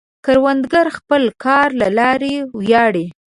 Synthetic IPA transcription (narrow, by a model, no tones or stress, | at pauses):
kaɾwand̪ɡaɾxpəlkʰɑɾlalɑɾewjɑɽe